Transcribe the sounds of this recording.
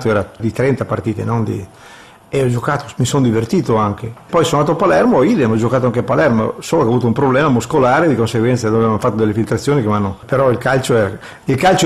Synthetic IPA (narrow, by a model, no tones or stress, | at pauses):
t̪oɛːɾad̪it̪ɾɛnt̪apart̪iːt̪ḛnond̪ḭ | eɔd͡ʒokaːt̪o̥misond̪ivert̪iːt̪oaŋkepɔjsonaːt̪oapalɛrmoid̪amɔd͡ʒokaːt̪oaŋkeapalɛrmo̰soːlokɛavuːt̪oumpɾoblɛːmamuskolaːɾed̪ikonseɡwɛnsad̪oːvevanfat̪ːod̪elːefilt̪ɾat̪sːjoːnikemanːopeɾɔilkalt͡ʃoɛːɾa | ilkalt͡ʃo